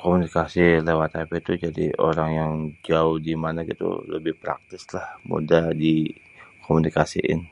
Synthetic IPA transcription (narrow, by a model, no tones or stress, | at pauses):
komunikasilewat̪apit̪ud͡ʒadḭoɾaŋjaŋd͡ʒaʊhdimanaɡḭt̪ṵləbɪhpɾa̰k̚t̪ɪslahmṵdadi | kʰomunikasiʔɪ̰n